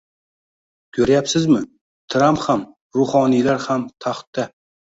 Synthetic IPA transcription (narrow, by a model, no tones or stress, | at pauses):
kʲʰɵɾajapsɪzmɪ | t̪ʰɾampham | ɾʊhɒnilaɾhamt̪ʰaχt̪ːa